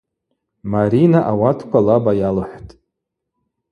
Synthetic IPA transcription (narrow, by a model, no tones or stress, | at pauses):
maɾinaʔawatʰkʷʰalabajalɨħʷtʼ